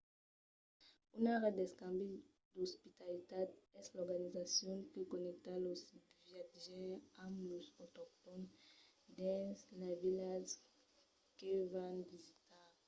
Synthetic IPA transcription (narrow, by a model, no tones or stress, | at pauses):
unaʁed̪eskãmbi | d̪ospit̪alit̪ad̪ɛslɔʁɡanizasjɔ̃nkekonɛk̚t̪alosvjat̪ʒɛ̃amlosot̪ɔk̚t̪ɔnd̪ɛ̃slavilas | kevãnvizit̪a